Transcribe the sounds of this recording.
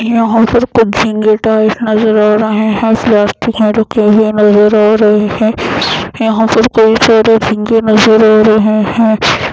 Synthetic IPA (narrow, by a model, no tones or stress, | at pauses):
jɐɦãːpɐɾkʊt͡ʃd͡ʒʱɪ̃ŋɡeʈaːɪʈnɐzəɾaːɾɐɦeɦɛ̃plaːsʈikẽɾɐkʰeɦenɐzəɾaːɾɐɦehɛ̃ːjɐɦãːpɐɾkoit͡ʃaːɾed͡ʒʱɪ̃ŋɡenɐzəɾaːɾɐɦehɛ̃ː